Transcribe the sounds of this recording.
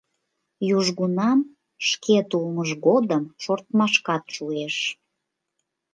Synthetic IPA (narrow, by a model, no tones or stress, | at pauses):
juʒɣunɑm | ʃkʰet̪ulməʃɡod̪əmʃort̪mɑʃkɑt̪ʃueʃ